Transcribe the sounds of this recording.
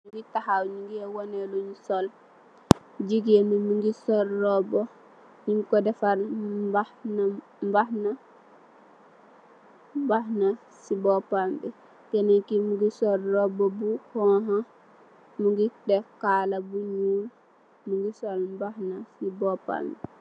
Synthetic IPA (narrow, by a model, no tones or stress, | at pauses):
muɡitahawɲiŋɡiɛwɔnɛloɲsɔl | d͡ʒiɡɛmimuŋɡisɔɾːɔbɔ | ɲiŋkɔdɛfaɾbahna | mbahna | mbahna | sibɔpambɛ | kɛnakimuɡisɔɾːɔbɔbuhɔɦa | muɡidɛkalabuɲuːl | muŋɡisɔlmbahnasibɔpa̰mbɛ